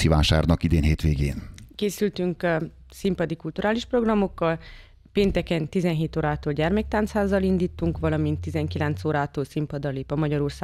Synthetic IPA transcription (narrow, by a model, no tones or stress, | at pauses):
iva̰ːʃa̰ːrnɒkid̪eːnɦeːt̪ʋeːɡḛːnkeːsylt̪yŋk | simpɒd̪ikult̪uɾʔaːliʃpro̞ɡrɒmo̞kːɒl | peːnt̪ɛkɛnt̪izɛnɦeːt̪oːɾaːt̪oːlɟɛrmɛk̚t̪aːnshaːzːɒlind̪iːt̪ːuŋkʋɒlɒmint̪ːizɛŋkilɛnt̪soːɾaːt̪oːlsimpɒd̪ɒleːpɒmɒɟɒɾorsaː